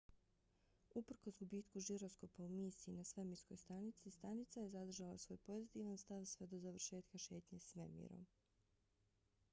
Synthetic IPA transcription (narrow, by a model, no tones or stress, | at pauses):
upr̩ko̞zɡubiːt̪kuʒiɾo̞sko̞paumiːsiinasʋemisko̞jst̪anit̪sist̪anit̪sajezad̪r̩ʒalˠa̰sʋo̞ːjpo̞zit̪iʋanst̪aʋsʋe̞d̪o̞zaʋr̩ʃe̞ːt̪kaʃe̞ːt̪ɲesmḛmḭɾo̰m